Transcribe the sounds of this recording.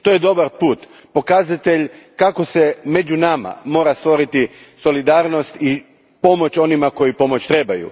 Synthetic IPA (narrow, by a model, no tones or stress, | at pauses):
t̪ojed̪o̞baɾpuːt̪ | po̞kazat̪eʎkakosemed͡ʑunama̰mo̞ːɾast̪ʋo̞ɾit̪iso̞lid̪aːɾno̞st̪i | po̞mo̞t͡ɕo̞nimako̞jipo̞mot͡ɕt̪ɾebajṵ